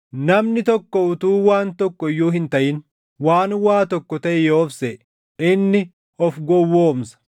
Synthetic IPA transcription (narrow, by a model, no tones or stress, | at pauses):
nɐmnɪt̪ɔkːɔʊt̪uːwaːnt̪ɔkːɔɪjːuːɦɪnt̪ɐʔɪn | waːnwaːt̪ɔkːɔt̪ɐʔɪjoːfseʔ | ɪnːɪ | ʔɔfɡɔwːoːmsɐ̥